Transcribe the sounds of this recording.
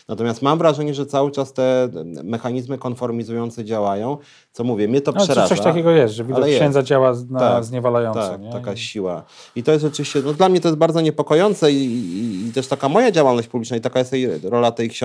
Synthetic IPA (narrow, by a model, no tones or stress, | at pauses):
nat̪ɔmʲjast̪mamvɾaʐɛɲɛʐɛt̪sawɘt͡ʂast̪ɛmɛxaɲizmɘkɔnfɔɾmʲizujɔnt̪sɛd͡ʑawajɔ̃w̃ | t̪sɔmuvʲjɛmʲɲɛt̪ɔpʂɛɾɾaʐsɔɕat̪akʲɛɡɔjɛst̪ʐɛvʲialɛjɛɕɛnd̪zad͡ʑawanaazɲɛvalajɔnt̪asɛkɲɛakaɕiwa̰it̪ɔjɛst̪ʐɛt͡ʂɨvʲiɕt͡ɕɛnɔd̪lamɲɛt̪ɔjɛsbaɾd̪ɔɲɛpɔkɔjɔnt̪sɛiːt̪ɛʂt̪akamɔjad͡ʑawalnɔɕt͡ɕʲpublʲit͡ʂnait̪akajɛst̪ɛjɾɔlat̪ɛjkɕ